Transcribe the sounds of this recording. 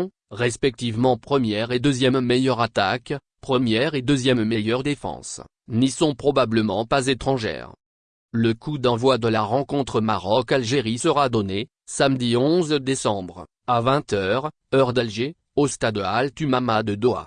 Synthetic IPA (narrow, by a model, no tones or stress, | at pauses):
ʁɛspɛk̚t̪ivmɑ̃pχəmjɛʁed̪øzjɛmːejœʁat̪ak | pχəmjɛʁed̪øzjɛmːejœʁd̪efɑ̰̃s | nisɔ̃pχɔbabləmɑ̃pazet̪χɑ̃ʒɛ̰ʁ | ləkud̪ɑ̃vwad̪əlaʁɑ̃kɔ̃t̪χəmaʁɔkalʒeʁisəʁad̪ɔne | samd̪iɔ̃zd̪esɑ̃bʁ | avɛ̃t̪œʁ | œʁd̪alʒe | ost̪ad̪əalt̪ymamad̪əd̪oa̰